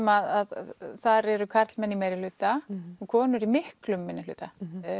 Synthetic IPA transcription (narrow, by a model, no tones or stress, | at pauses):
maðaðθaɾɛɾʏkʰaɾt̪lmɛnːimɛjɾɪlʏːt̪aɔɣkʰɔːnʏɾimɪhklʏmːɪnːɪlʏ̰ːt̪a